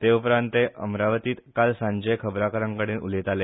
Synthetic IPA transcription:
t̪eupɾãnt̪eʔə̰mɾaʋət̪iːt̪kalsãɲd͡ʑəjkʰəbɾakəɾãŋkəɽeːnʔṵlet̪ale

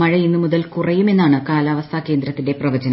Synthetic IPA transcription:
mɐɻɐinːɨmuðɐlkurɐjume̞nːaːɳɨkaːlaːʋɐst̪ʰake̞ːnd̪ɾɐt̪ːinde̞prɐʋɐd͡ʑɐn

